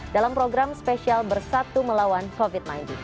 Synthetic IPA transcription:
dalampɾoɡɾamspesialbərsat̪uməlawankovit̪̚najnt̪in

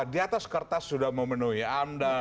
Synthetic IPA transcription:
diat̪askərt̪asudahməmənuɦiamda

